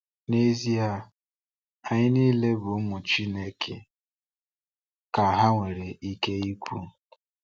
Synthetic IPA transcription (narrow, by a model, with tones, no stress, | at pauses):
ne˦zi˦a˨ | a˨ɲɪ˦niː˦le˦bʊ˨ʊ˦mʊ˨t͡ʃi˦ne˦kʰe˨ | ka˨ɦa˦ŋʷe˨ɾe˨ʔi˦ke˦i˦kʷu˦˨